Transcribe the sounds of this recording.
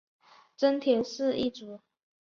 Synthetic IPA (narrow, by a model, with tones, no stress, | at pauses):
t͡sə˥nt̪ʰjɛ˨˧˥nsɹ̩˥˧i˥˩t͡su˨˦